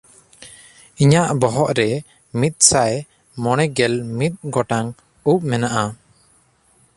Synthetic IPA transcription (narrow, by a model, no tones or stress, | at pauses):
iɲaʔbɔɦɔʔɾɛ | mit̪̚ˀsaj | mɔɽ̃ɛɡɛlmit̪̚ɡɔʈaŋ | up̚mɛnaʔa